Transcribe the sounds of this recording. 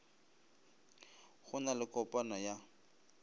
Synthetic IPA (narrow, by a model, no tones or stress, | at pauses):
χʊnalɪkʼɔpʼanɔja